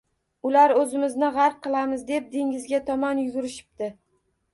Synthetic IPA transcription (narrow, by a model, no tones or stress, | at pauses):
ʊlaɾɵzɪmɪznɪʁaɾp̚qʰɨlˠamɪzd̪e̞p̚d̪ɪŋɪzɡʲat̪ʰɒmɒnjʊɡʲʊɾɪʃɪ̥p̚t̪ɪ